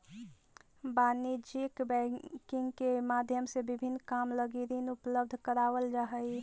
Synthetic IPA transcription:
banid͡ʒikbɛkiŋɡkemad̪ʱjəmsebibʱinːkamləɡiɾinupləb̚d̪ʱkəɾaʋəld͡ʒaɦəj

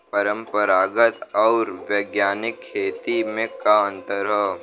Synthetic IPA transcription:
pəɾə̃mpəɾaːɡət̪ɔːɾwjəːɡjaːnɪkʰːeːt̪imẽkaə̃nt̪əɾɦɛ

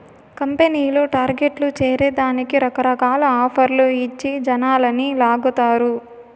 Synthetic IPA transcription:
kɐmpeniːloːʈaːɾɡe̞ʈlut͡ʃeːɾeːd̪aːnikiɾɐkɐɾɐkaːlɐaːpʰɐɾloːit͡ʃːid͡ʒɐnaːlɐnilaːɡut̪aːɾu

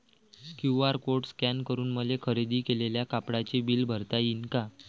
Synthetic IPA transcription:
kjuaɾkoʈskænkəɾuːnməlekʰəɾed̪iːkeleljakapɽat͡ɕebiːlbʱəɾt̪ainka

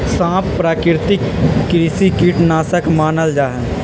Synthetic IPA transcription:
sãːpːɾaːkɪɾt̪ɪkːɾisikiːʈnaːsəkmaːnəld͡ʒaːɦɛ̃

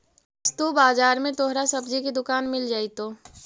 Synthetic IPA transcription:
st̪obaːzaːɾmẽt̪oːɦɾasɐbd͡ʒikid̪ʊkaːnmɪld͡ʒaːit̪oː

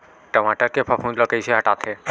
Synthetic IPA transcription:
ʈəmaʈəɾkepʰafʰũnləkəjt͡ʃʰeɦəʈat̪ʰe

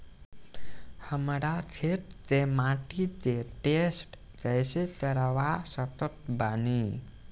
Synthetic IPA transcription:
həmɾat͡ʃʰeʈd͡ʒemãʈid͡ʒeʈesʈ | d͡ʒajset̪əɾaʋasət̪ət̪bani

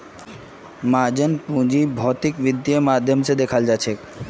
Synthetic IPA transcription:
mad͡ʑenpũd͡ʑibʱɔt̪ikbid̪ːiemad̪ʱːjomt͡ɕed̪ekʰad͡ʑaːt͡ɕʰe

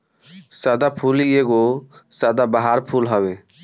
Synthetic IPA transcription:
sad̪apʰulieɡosad̪abəɦaɾpʰulɦəbe

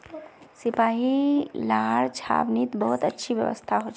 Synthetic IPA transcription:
sɪpaːilaːɾt͡ʃʰa̰ːbnit̪bəɦʊt̪ətːʃʰiʋjə̰ʋə̰st̪ʰaɦot͡ʃ

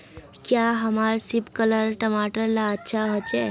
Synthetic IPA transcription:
kjaɦəmaɾsipkələɾʈəmaʈəɾlaətːʃʰaɦot͡ʃɛ

